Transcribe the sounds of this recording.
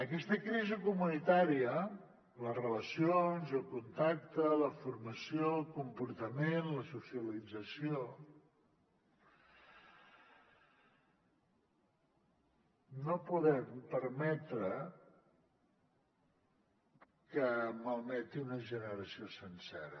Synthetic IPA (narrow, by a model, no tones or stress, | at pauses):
əkɛst̪əkɾizəkumunit̪aɾiə | lərələsionzəlˠkunt̪ak̚t̪ələfuɾməsiolˠkumpuɾt̪əmenləsusiəlid͡zəsio | nopuðɛmpəɾmɛt̪ɾə | kəməlˠmɛt̪iunəʒənəɾəsiosənsɛ̰ɾə